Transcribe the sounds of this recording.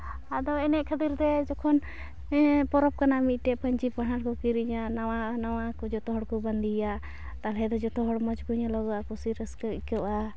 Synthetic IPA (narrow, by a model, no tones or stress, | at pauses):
ad̪ɔɛnɛʔkʰət̪iɾd̪ɛd͡ʒɔkʰɔn | pɔɾɔp̚kanamic̪̚ˀʈɛpəɲt͡ʃipaɳaɾkɔkiɾiɲaawanawakɔd͡ʒɔt̪ɔɦɔɽkɔband̪ija | t̪alɛd̪ɔd͡ʒɔt̪ɔɦɔɽmɔd͡ʒkuɲalɔɡɔakusiɾəskɔikɔʔa